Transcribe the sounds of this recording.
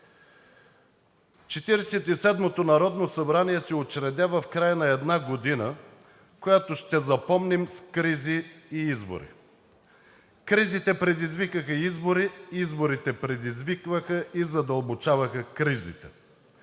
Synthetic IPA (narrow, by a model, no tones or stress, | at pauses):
t͡ʃɛt̪iɾɛsɛt̪isɛd̪mot̪onɐɾɔd̪nosɐbɾaniɛsɛot͡ʃɾɛd̪ʲavɐfkɾajənɐɛd̪naɡod̪inə | kojat̪oʃt̪ɛzɐpɔmnimskɾiziːizbo̰ɾḭ | kɾizit̪ɛpɾɛd̪izvikəxəizboɾiizboɾit̪ɛpɾɛd̪izvikvəxəizɐd̪ɐlˠbot͡ʃavɐxəkɾizḭt̪ɛ̰